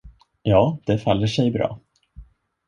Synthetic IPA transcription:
jɑːd̪̥ɛfalːəʂɛjbɾɑ̰ː

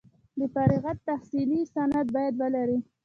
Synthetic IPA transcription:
d̪əfaɾiɣat̪ːahsilisanad̪̚bɑjad̪wəlaɾi

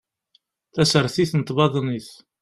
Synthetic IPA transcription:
θæsəɾˤθiθənət̪ˤbɑðˤniθ

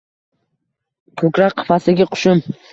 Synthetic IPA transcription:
kʰɵkʲɾakqʰːɨ̥fasɪɡʲɪqʰʊ̥ʃʊm

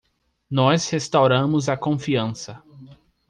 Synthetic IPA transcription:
nɔshest̪awɾɐ̃mʊzɐkõfiɐ̃sɐ

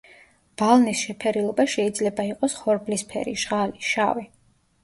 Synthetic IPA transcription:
b̥alˠnisʃɛpʰɛɾilˠɔbaʃɛid̪zlɛbaiqʼɔsχɔɾblispʰɛ̰ɾiʒʁaliʃa̰vi

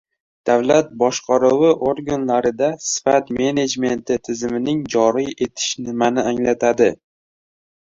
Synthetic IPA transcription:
d̪̥awlat̪̚bɒʃqʰɑɾʊwɪʔoɾɡanlaɾɪd̪asɪ̥fat̪me̞ne̞d͡ʒme̞nt̪ʰɪt̪ʰɪzɪmɪnɪŋd͡ʒɒɾije̞t̪ʰɪ̥ʃnɪmanɪaŋlat̪ʰad̪ɪ

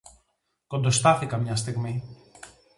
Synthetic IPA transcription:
kond̪ost̪aθekamɲast̪ekme

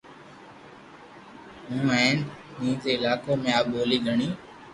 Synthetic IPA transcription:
ɦũːɛ̃ːnmĩːzeːɪlaːkoːmẽːaːbɓoːliːɡʱəɳiː

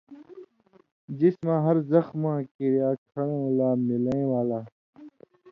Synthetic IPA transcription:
d͡ʑismãɦɐɾzɐxmãːkiɾjaːkʰɐɽ̃ẽlaːmilẽwaːlaː

